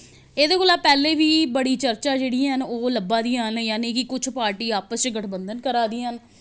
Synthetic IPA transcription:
eːd̪eːkoːlaːpɛːleːʋiːbəɽiːt͡ʃəɾt͡ʃaːd͡ʒeːɽiːɦənoːləbãːd̪iːãɦənjaːnẽːkɪkʊt͡ʃʰpaːɾʈiːaːpəst͡ʃɡəʈʰbənd̪ənkəɾaːd̪iːɦən

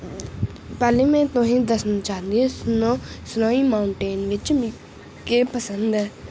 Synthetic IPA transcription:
pɛːleːmɛ̃ːt̪ʊɦĩːd̪əsnaːt͡ʃaːnd̪ieːsnosnaːiːmaːʊɳʈeːnʋɪt͡ʃm | kepəsənd̪ɛː

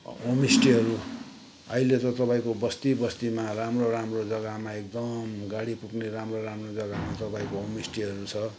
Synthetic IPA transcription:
ɦomisʈiɦʌɾu | ʌ̰ilet̪ʌ̃t̪ʌpãĩkobʌst̪ibʌst̪imaramroramrod͡zʌɡamaek̚d̪ʌmɡaɽipukneɾamroɾamrod͡zʌɡamat̪ʌpaĩkoɦomisʈiɦʌɾut͡sʰʌ

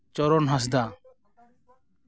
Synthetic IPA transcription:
t͡ʃɔɾɔnɦas̬d̪a

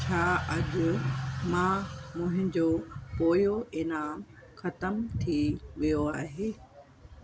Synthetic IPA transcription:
t͡ɕʰaːɐʄʊmãmʊ̃ːɦɪ̃ɲd͡ʑoːpoːjoʔɪnaːm | xɐt̪əmt̪ʰiʋijoaːɦeː

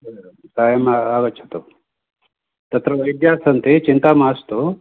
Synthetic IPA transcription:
saːjɐmaaːʋɐt͡ʃʰɐ̥t̪u | t̪ɐt̪ɾɐʋɐjd̪jaːsɐnt̪it͡ʃint̪aːmaːst̪u

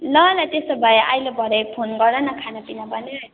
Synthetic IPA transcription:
lʌlajt̪est̪obʱʌjeʔajlebʱʌɾʌjpʰonɡʌrdʌnʌkʰanapinabʌneɾʌ

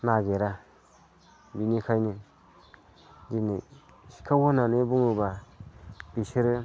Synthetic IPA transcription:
naɡeɾa | binikʰajni | d͡ʒini | ʃi̥kʰawonanebuŋuba | b̥iʃiɾɯ

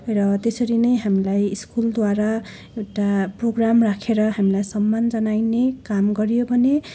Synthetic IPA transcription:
ɾʌt̪esʌɾinʌjɦamilajiskuld̪waɾa | ewʈaproɡramrakʰeɾʌɦamilajsʌmːand͡zʌnajnekamɡʌɾijobʱʌne

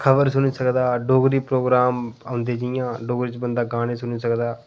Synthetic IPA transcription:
kʰəbəɾsʊñiːsəkd̪aːɖoːɡɾiːpɾoːɡɾaːmãːnd̪eːd͡ʒijãːɖoːɡɾiːt͡ʃbənd̪aːɡãːniːsʊniːsəkd̪aː

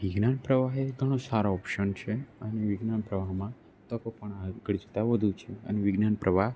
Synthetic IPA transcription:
ʋiɡnanpɾəʋaɦeɡʱəɽ̃õsaɾoɔpʃənt͡ʃʰeəneʋiɡnanpɾəʋaɦmã | t̪əkopəɳaɡəɽd͡ʒt̪aʋəd̪ʱũt͡ʃʰeə̰neʋiɡnanpɾəʋaɦ

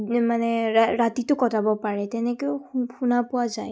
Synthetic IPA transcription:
manɛaɹatitʊkɔtabɔpaɹɛtɛnɛkɔxunapʊwazaj

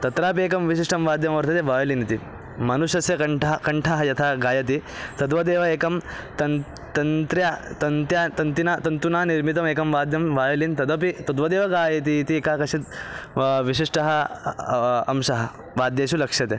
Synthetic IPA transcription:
t̪ɐt̪ɾaːp̬eːkɐmʋiʃiʂʈɐmʋaːd̪jɐmɐʋɐɾt̪ʰɐt̪eʋaːjɐlinit̪i | mɐnuʃɐsjɐkɐʈɐkɐɳʈʰaɦɐjɐt̪ʰaːɡaːjɐt̪i | t̪ɐd̪ʋɐd̪eːʋɐeːkɐmt̪ɐn | t̪ɐnt̪ɾjat̪ɐnt̪jaːt̪ɐnt̪inaːt̪ɐnt̪unaːniɾmit̪̬ɐmeːkɐmʋaːd̪jɐmʋaːjɐlint̪ɐd̪ɐpit̪ɐd̪ʋɐd̪eːʋɐɡaːjɐt̪̬iːt̪ieːkaːkɐʂit̪ | ʋiʃiʂʈɐɦɐ | ɐmʃɐɦɐ | ʋaːd̪jeːʃulɐkʂjɐt̪e

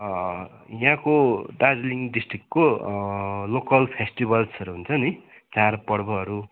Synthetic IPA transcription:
jãkodad͡zliŋɖisʈrikko | lokʌlpʰesʈibʌlsʌɾuɦunt͡sʰʌni | t͡sarpʌɽbʌɦʌɾu

